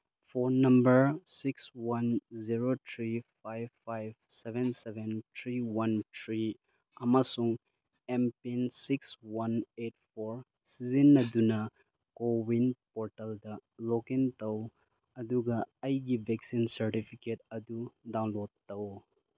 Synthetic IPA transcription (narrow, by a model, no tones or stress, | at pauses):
pʰonɐmbɐɾsikswanziɾotʰɾipʰajbpːajbsebʱensebʱentʰɾiwantʰɾi | ɐmasuŋ | empinsikswanet̚pʰoɾ | sizinːɐdunɐ | kowinpoɾtɐldɐlokintɐw | ɐduɡɐːjɡibʱeksinsɐɾtipʰiket̚ɐdudaw̃nlodtɐw